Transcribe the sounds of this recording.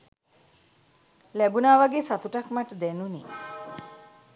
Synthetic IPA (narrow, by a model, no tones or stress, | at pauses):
læbunaːʋaɡeːsat̪uʈakmaʈəd̪ɛnunḭː